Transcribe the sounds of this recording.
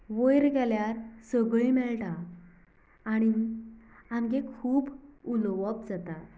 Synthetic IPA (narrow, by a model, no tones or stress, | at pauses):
ʋəjɾɡɛljaɾsəɡɭimɛɭʈa | ɽ̃i | amɡekʰuːbulʋəb̚d͡zat̪a